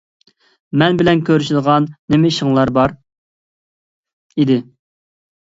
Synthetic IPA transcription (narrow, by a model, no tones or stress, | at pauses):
mɛnbɪlɛnkʲʰøɾyʃɪd̪əʁɑnːɪmɪiʃəŋlˠɑɾbɑɾ | id̪ɪ